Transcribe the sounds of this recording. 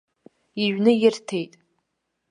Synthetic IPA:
iʒnɨjɪrtʰejtʼ

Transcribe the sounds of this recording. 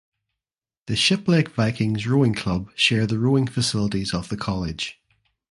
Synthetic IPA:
ðəʃɪplˠekv̥aɪkʰɪ̃ŋzɹoɪ̃ŋkʰl̥ʌb̥ʃɛɹðəɹoɪ̃ŋfəsɪlˠəʔizəv̥ðəkʰɔlˠɪd̥ʒ̥

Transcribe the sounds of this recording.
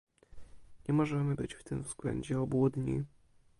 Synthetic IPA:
ɲɛmɔʐɛmɘbɘt͡ɕft̪ɘmvz̥ɡ̥lɛ̰ɲd͡ʑɛɔbwɔd̪ɲḭ

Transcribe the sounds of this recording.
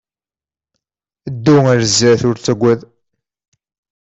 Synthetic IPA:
d̪ːuæɾzæθʊɾt͡sːæɡʷæð

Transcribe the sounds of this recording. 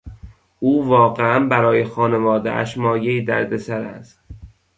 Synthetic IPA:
ʔuːvɒːɣeænbæɾɒːjexɒːne̞vɒːd̪ḛʔæ̰ʃmɒːjeiːd̪æɾd̪esæɾæ̰st̪

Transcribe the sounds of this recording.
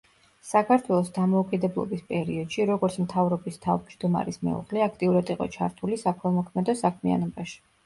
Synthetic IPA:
sakʰaɾt̪ʰwɛlˠɔsd̪amɔukʼid̪ɛblˠɔ̰bispʼɛɾiɔd̪̥ʃiɾɔɡɔɾt̪sʰmt̪ʰavɾɔbist̪ʰavd͡ʒd̪uma̰ɾismɛ̰ṵʁlɛakʰt̪ʼiuɾad̪iqʼɔ̰t͡ʃʰaɾt̪ʰulisakʰwɛmɔkʰmɛd̪ɔsakʰmia̰nɔbaʃi̥

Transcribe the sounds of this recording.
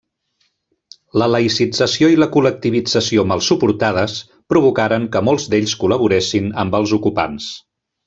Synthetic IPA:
lələisid͡zəsioiləkulək̚t̪iβ̞id͡zəsiomalˠsupuɾt̪að̞əs | pɾuβ̞ukaɾəŋkəmolˠzd̪eʎskuləβ̞uɾesinəmbəlˠzukupa̰ns

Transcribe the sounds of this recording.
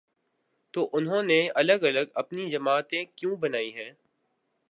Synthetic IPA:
t̪oːʔʊnɦõːneɐləɡɐləɡɐpnid͡ʒɐmaːt̪ẽkjũːbɐnaːiɦɛ̃ː

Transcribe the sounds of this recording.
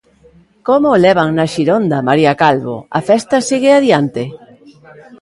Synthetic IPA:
komolɛβ̞aŋnaʃiɾond̪ɐmaɾiakalβo̰ɐ̰fɛst̪ɐsiɣeaðjant̪ɪ

